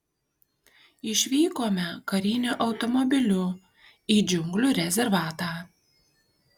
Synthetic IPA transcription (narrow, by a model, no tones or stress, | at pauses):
ɪʃʲʋʲiːkoːmʲɛkɐɾʲiːnʲuːʔɒʊt̪ɔmɔbʲɪlʲʊ | iːd͡ʒʲʊŋɡlʲuːɾʲɛzʲɛɾʋɑːt̪ɑː